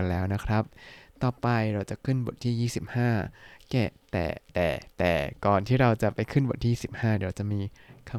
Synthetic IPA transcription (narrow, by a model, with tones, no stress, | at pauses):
nlɛː˦˥wna˦˥kʰɾa˦˥p̚t̪ɔː˨˩pa˧jɾa˧wt͡ɕa˨˩kʰɯ˥˩nbo˨˩t̪̚ʰːiː˥˩jiː˥˩si˨˩p̚haː˥˩kɛ̰˨˩t̪ɛ̰ː˨˩t̪ɛ̰ː˨˩t̪ɛ̰ː˨˩kɔː˨˩nt̪ʰiː˥˩ɾa˧wt͡ɕa˨˩pa˧jkʰɯ˥˩nbo˨˩t̪̚ʰːiː˥˩˥si˨˩p̚haː˥˩di˧˦ɾa˧wt͡ɕa˨˩miː˧kʰa˧